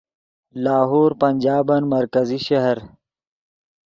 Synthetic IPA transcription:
laːɦoːɾpɐnd͡ʒaːbɐnmɐɾkɐziʃɐɦɐɾ

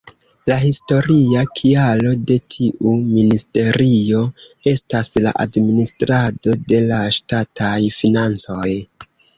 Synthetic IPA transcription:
lahisto̞ɾiakʰialo̞de̞tʰiʔuministe̞ɾio̞e̞stasla̰ʔa̰dministɾado̞de̞laʃtatʰajfinant͡so̞j

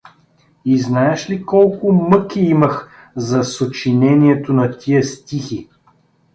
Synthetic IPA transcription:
iznaɛʃlikɔlˠkʊmɤkʲiimɐx | zɐsot͡ʃinɛniɛt̪onɐt̪ʰiəst̪ixi

